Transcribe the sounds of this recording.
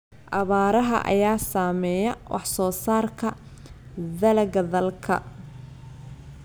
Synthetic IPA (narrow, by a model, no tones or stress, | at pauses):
ʔɑβaːɾɐɦɐ̰ʔɐ̰jaːsaːmɛːjɐwʔɑ̰ħsɔːsaːrkʰɐ | ðɐlɐɡɐðɐlkʰɐ̰